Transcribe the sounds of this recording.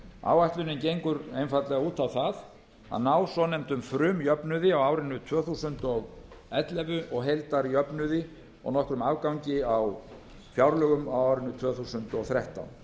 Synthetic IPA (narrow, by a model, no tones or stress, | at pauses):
a̰ːwaht̪lʏnʏmcejŋkʏɾejnfat̪lɛɣauːt̪awθað | a̰ðnaːwsɔnɛm̥t̪ʏmfɾʏːmjœpnʏðɪawaːwɾɪnːʏt̪ʰv̥œːθusʏnt̪ɔɣ | ɛt̪lɛvʏʔɔɣɦejlt̪aɾjœpnʏðɪ | ɔ̰ɣnɔhkɾʏmaːwkawɲcɪaw | fjawɾlœɣʏmawawɾɪnːʏt̪ʰvœːθusʏnt̪ɔɣθɾɛht̪a̰wn